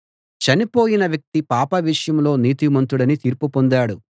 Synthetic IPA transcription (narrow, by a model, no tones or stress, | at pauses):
t͡ʃɐnipoːjinɐʋjɐk̚t̪ipaːpɐʋiʂɐjɐmlo̞ːniːt̪imɐnt̪uɽɐnit̪iːɾpupond̪aːɽu